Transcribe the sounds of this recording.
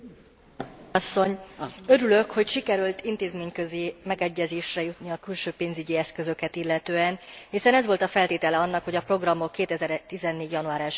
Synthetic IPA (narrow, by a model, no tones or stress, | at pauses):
sːo̞ɲø̞ɾylø̞kho̞cʃikɛɾylt̪int̪eːzmeːɲkø̞zimɛɡɛɟːɛzeːʃrɛjut̪niɒkylʃøːpeːnzyɟiɛskø̞zø̞kɛt̪ilːɛt̪øːɛnhisɛnɛzʋo̞lt̪ɒfɛlt̪eːt̪ɛlɛɒnːɒkho̞ɟɒpro̞ɡrɒmo̞kːeːt̪ɛzɛɾt̪izɛnːeːɟjɒnuaːɾaːʃ